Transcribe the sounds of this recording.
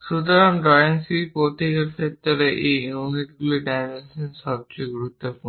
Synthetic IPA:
ʃut̪oɾanɖɔjensipot̪ikeɾkʰet̪ːoɾeʔeimuniʈiɡuliɖajmensenʃɔb̚t͡ɕejɡuɾut̪ːopun

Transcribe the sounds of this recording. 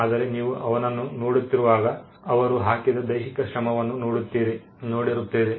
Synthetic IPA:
aːd̪ɐɾe̞niːʋuʔɐʋɐnɐnːunoːɽut̪ːiɾuʋaːɡɐ | ɐʋɐɾuɦaːkid̪ɐd̪ɐjɦikɐʃɾɐmɐʋɐnːunoɽut̪ːiːɾi | noːɽiɾut̪ːiːɾi

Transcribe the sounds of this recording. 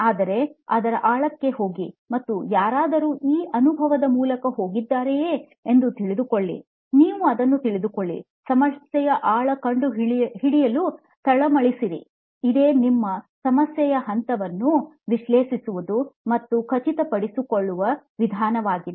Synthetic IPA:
aːd̪ɐɾe̞ɐd̪ɐɾɐ̰ʔaːɭɐkːe̞ɦo̞ːɡimɐt̪ːujaːɾaːd̪ɐɾuːʔiːʔɐnubʱɐʋɐd̪ɐmuːlɐkɐɦo̞ːɡid̪ːaːɾejeː | end̪ut̪iɭid̪ukoɭːḭ | niːʋuɐd̪ɐnːut̪iɭid̪ukoɭːḭ | sɐmɐsjɛjɐʔaːɭɐkɐɳɖuɦɦiɽijɐlu | t̪ɐɭɐmɐɭisiɾḭ | id̪e̞ːnimːɐsɐmɐsjɛjɐɦɐnt̪ɐʋɐnːu | ʋiʃleːʃisuʋud̪umɐt̪ːukʰɐt͡ʃit̪ɐpɐɽisukoɭːuʋɐʋid̪ʱaːnɐʋaːɡid̪

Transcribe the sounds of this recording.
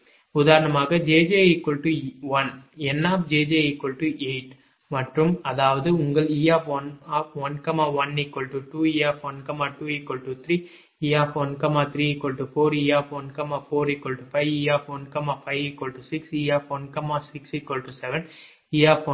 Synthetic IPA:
ʊðaːɾɐnɐmaːɣɐd͡ʒeːd͡ʒeːikːɔɭʈuʋɐnɛnːaːpd͡ʒeːd͡ʒeːikɔɭʈːuʔeɪʈ | mɐʈrɯmɐðaːʋɐðɯʊŋɡɐɭiːaːfʋɐnaːfʋɐnkɐmaːʋɐnikːɔɭʈuʈuːiːaːfʋɐnkɐmaːʈuːikːɔɭʈut̪ʰɾiː | iːaːfʋɐnkɐmaːt̪ʰɾiːikːɔɭʈufoːɾiːaːfʋɐnkɐmaːfoːɾikːɔɭʈufɐɪiːaːfʋɐnkɐmaːfɐɪʋikːɔlʈusɪksiːaːfʋɐnkɐmaːsɪksikːɔlʈusɛʋɛn | iːaːfɔ

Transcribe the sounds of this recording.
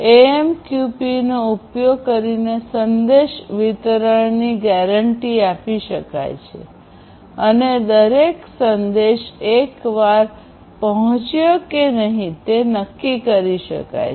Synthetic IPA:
eemkjupinoupjoɡ̚kəɾinesənd̪eʃʋit̪ɾəɳniɡɛɾəɳʈiapiʃəka̰jt͡ʃʰḛ | əned̪əɾeksənd̪eʃekʋaɾ | pəɦɔ̃t͡ʃjokenəɦĩt̪enəkːikəɾiʃə̰ka̰j

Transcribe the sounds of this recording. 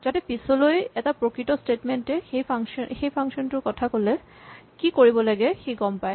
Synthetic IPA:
d͡ʒatɛpisɔlojɛtapɹokɹitɔstetmentɛxejxejpʰaŋʃɔntʊɹkɔtʰakolɛ | kikoɹibɔlaɡɛxeɡɔmpaj

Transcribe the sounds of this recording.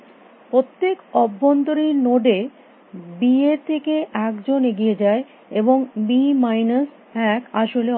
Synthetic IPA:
pɾot̪ːekɔbːont̪oɾinoɖe | bieɾt̪ʰekeʔɛkd͡ʑoneɡijed͡ʑae | eboŋbimajnas | pɛkaʃole

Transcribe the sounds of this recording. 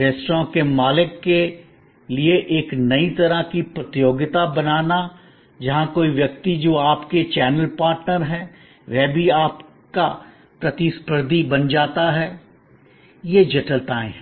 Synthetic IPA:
ɾeːsʈɾãkemaːlɪkːe | lieʔeːknɐit̪ɐɾakipɾət̪ɪjoːɡɪt̪abɐnaːna | d͡ʒɐɦãkoːiʋjɐk̚t̪id͡ʒoːaːpket͡ʃɛːnəlpaːɾʈnəɾɦɛ̃ː | ʋɛːbʱiaːp | ka | pɾɐt̪ispəɾd̪ʱibɐnd͡ʒaːt̪aɦɛː | jed͡ʒɐʈəlt̪ãːẽ

